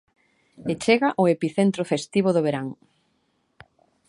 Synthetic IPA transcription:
et͡ʃeɣaʔʊepiθent̪ɾofest̪iβoðoβ̞eɾaŋ

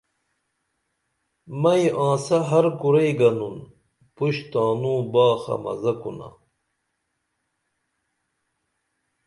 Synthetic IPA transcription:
mɐjʔãːsɐɦɐɾkuɾejɡɐnun | puɕt̪aːnũːbaːxɐ̰mɐ̰zɐkṵna̰

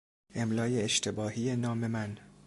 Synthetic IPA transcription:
ʔemlɒːjeːʃt̪ʰe̞bɒːhiːjenɒːme̞mæn

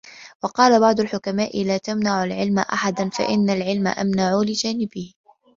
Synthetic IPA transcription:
wɑqɑːlabɑʕd̪ˤʊlħʊkamaːʔɪlaːt̪amnaʕʊlʕɪlma̰ʔa̰ħad̪anfa̰ʔɪnːalʕɪlma̰ʔamnaʕulɪd͡ʒaːnɪbɪh

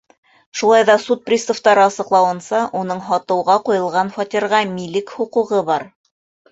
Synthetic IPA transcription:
ʃulˠɑjðɑsut̪̚prʲist̪ŏft̪ɑɾɤɑsɤ̆qlˠɑwɤ̆nsɑʔunɤɴɦɑt̪ɤ̆wʁɑqujɤ̆lˠʁɑnfɑt̪ʲiɾʁɑmilɘkhuquʁɤbɑɾ

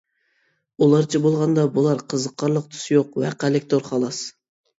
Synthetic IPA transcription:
ulˠɑɾt͡ʃʰɛbolˠʁɑnd̪ɑbulˠɑɾqʰəzəqʰːɑɾlˠəq̚t̪ʰy̥sjoqwæqælɪkʲt̪ʰoɾχɑlˠɑs

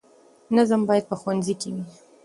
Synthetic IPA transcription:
nazəmbɑjad̪̚pəxwanzikewi

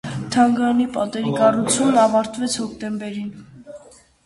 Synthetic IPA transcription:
t̪ʰɑŋɡɑnipɑt̪ɛɾikɑrut͡sʰunnɑvɑɾt̪vɛt͡sʰhɔkʰt̪ɛmbɛɾin

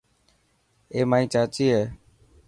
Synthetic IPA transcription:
eːmaːĩːt͡ʃaːt͡ʃiːɦeː

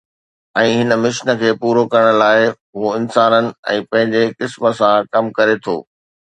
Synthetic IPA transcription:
ɛ̃ːɦɪnə̆mɪʃnə̆kʰeːpuːɾokɐɾəɽ̃laːɪɦoɪnsaːnənɪ̆ɛ̰̃ːpɐ̃ɦɪ̃ɲd͡ʑekɪsmə̆sãkɐmkɐɾet̪ʰo̰ː

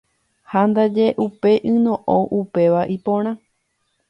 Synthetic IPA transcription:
hand̪ad͡ʒe̞ʔupe̞ʔɨ̃nõʔõʔupe̞ʋaʔipõ̞ɾ̃ã

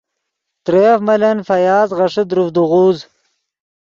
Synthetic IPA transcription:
t̪ɾefmɐlɐnfɐjaːzʁɐʂid̪ɾufd̪uʁuːz

